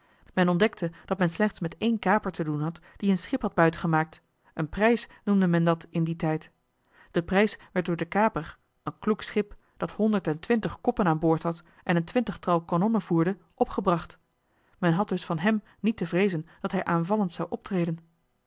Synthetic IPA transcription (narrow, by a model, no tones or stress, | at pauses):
mɛnɔndɛk̚tʰəd̥ɑtmɛnslɛχtsmɛtejnkaːpəɹtədunɦɑtd̥iənsχɪpɦɑd̚bœɥtəχəmaːk̚t | ənprɛjsnumdəmɛndɑtɪnditɛjt | d̥əprɛjsʋɛɹt̚dʊːɹdəkaːpər | ənkluksχɪp | d̥ɑthɔndəɹtɛntʋɪntəχkɔpənaːnbʊːɹtɦɑt | ʔɛnəntʋɪntəχtɑwˠkɔnɔnəv̥uːɹdə | ʔɔpχəbrɑχt | mɛnɦɑd̚d̥ɵsfɑnɦɛm | nitəvrejzənd̥ɑtɦɛjʔaːnvɑləntsɑwʔɔp̚trejdən